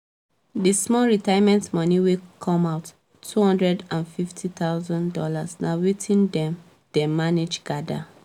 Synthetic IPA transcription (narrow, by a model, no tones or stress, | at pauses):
dismɔɹitajmɛ̃ntmɔniwekʰɔ̃maʊt | tʰːuhɔ̃ndɹɛdãnfiftʰit̪aʊzɔ̃ndɔla̰snawitʰĩndɛ̃m | d̥ɛmaned͡ʒɡ̥ada̰